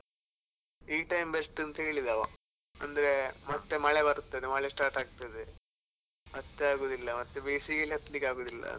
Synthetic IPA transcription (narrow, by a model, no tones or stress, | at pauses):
iːʈɐjmbesʈɐnt̪ɐɦeːɭid̪aʋa̰ | ɐnd̪ɐɾemɐt̪ːemɐɭebɐɾut̪ːɐd̪emɐɭesʈaːɾʈaːɡ̚t̪ɐd̪e | mɐt̪ːeaːɡoːd̪ilːɐmɐt̪ːebiːsikɐlɦɐt̪ːɐlikaːɡoːd̪ilːɐ̰